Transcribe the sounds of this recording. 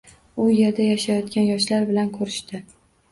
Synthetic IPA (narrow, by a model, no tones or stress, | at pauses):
ʊje̞ɾd̪ajaʃajɒt̪kʲanjɒʃlaɾbɪlankʰɵɾɪʃt̪ɪ